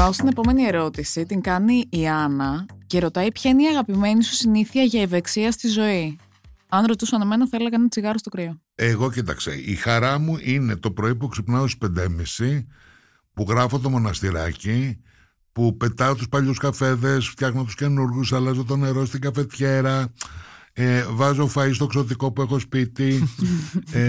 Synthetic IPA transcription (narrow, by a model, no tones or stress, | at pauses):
ɐost̪ine̞po̞me̞nie̞ɾo̞t̪isit̪iŋkɐniːɐnɐce̞ɾo̞t̪ɐipçɐineiɐɣɐpime̞nisu̥siniθiɐʝɐive̞ksiɐst̪izo̞i | ɐnɾo̞t̪usoɐneme̞nɐθɐeleɣɐenɐt͡siɣɐɾost̪okɾio | eɣo̞cit̪ɐ̰kst̪ḛixɐɾɐmuʔine̞t̪o̞pɾoipueksipnɐosispe̞nd̪emisi | puɣɾɐfot̪̬o̞mo̞nɐst̪iɾɐ̰ci | pupe̞t̪ɐot̪uspɐʎuskɐfe̞ðe̞sft̪çɐɣnot̪u̥sce̞nuɾɣusɐlɐzot̪̬o̞ne̞ɾost̪iɡɐfe̞t̪çe̞ɾɐ | evɐzofɐist̪okso̞t̪̬iko̞pue̞xo̞spit̪i